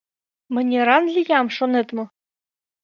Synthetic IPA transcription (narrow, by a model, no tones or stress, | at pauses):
mɘ̆nʲeɾɑnlʲijɑmʂonet̪mɤ̆